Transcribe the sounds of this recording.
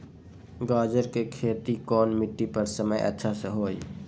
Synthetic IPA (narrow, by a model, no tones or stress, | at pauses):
ɡaːd͡ʒəɾkekʰeːt̪ikɔːnmɪʈːipəɾsəməjʔə̰tːʃʰasəɦoːi